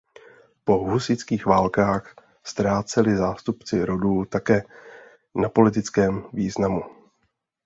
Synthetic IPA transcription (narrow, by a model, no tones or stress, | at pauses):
po̞ɦusɪt͡skiːxvaːlkaːx | st̪ɾaːt͡sɛlɪzaːst̪upt͡sɪɾoduːt̪akɛː | napo̞lɪt̪ɪt͡skɛːmviːznamu